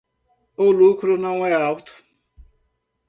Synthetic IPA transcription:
ʊlukɾʊnɐ̃w̃ɛawt̪ʊ̥

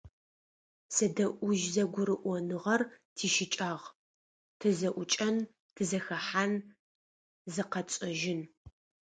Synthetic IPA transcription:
sɐdɐʔʷʊʒzɐɡʷʊɾɨʔʷɔnɨʁɐrtʰiːʃɪt͡ʃʼaːʁ | tʰɨzɐʔʷʊt͡ʃʼɐn | tʰɨzɐxɐħaːn | zɨqɐt͡ʃʼɐʒɪn

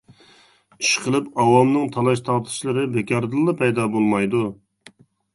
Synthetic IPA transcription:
i̥ʃqʰəlˠɨpɑwɑlmnɨŋt̪ʰɑlˠɑʃt̪ʰɑʁt̪ʰɨ̥ʃlˠɨɾɨbekʲʰɑɾd̪ɨlˠːɑpʰɛjd̪ɑbolˠmɑjd̪u

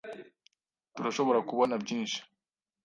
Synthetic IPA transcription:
tuɾaʃo̞βo̞ɾakuβonabɟiːnʃi̥

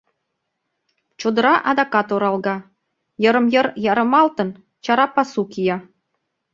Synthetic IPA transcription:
t͡ɕod̪ɤ̆ɾɑʔɑd̪ɑkɑt̪oɾɑlˠɣɑ | jɤ̆ɾə̆mjəɾjɑɾɤ̆mɑlt̪ɤ̆n | t͡ɕɑɾɑpɑsukijɑ

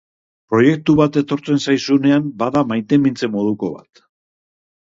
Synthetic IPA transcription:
pɾo̞je̞k̚t̪uβat̪e̞t̪o̞ɾt͡se̞nsajsune̞ambaðamajt̪e̞mint͡se̞mo̞ð̞uko̞βa̰t̪

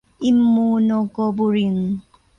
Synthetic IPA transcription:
imːunokobuɾiŋ

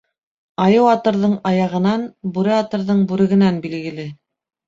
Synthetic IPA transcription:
ɑjɤwɑt̪ɤ̆ɾðɤɴɑjɑʁɤ̆nɑnbʉɾɘɑt̪ɤ̆ɾðɤɴbʉɾɘ̆ɡɘ̆nænbilɡɘ̆lɘ

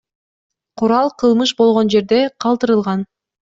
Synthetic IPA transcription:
qʰuɾɑlˠqʰɯlˠmɯʃ̬bo̞lˠʁo̞nd͡ʒe̞ɾd̪e̞qʰɑlˠt̪ɯɾɯlˠʁɑn

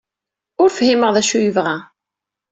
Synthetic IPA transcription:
ʊɾfhiməʁðæʃujəvʁæ

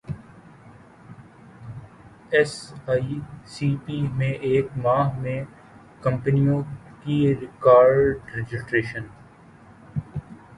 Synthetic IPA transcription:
ɛsaːisiːpiːmẽʔeːkmaːɦmẽ | kɐ̃mpənijõkiɾɪkaːɾɖɾɛd͡ʒɪsʈɾeːʃən

